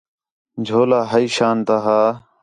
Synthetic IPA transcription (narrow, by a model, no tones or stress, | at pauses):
d͡ʒʱoːlaːɦəiːʃaːnt̪aːɦaː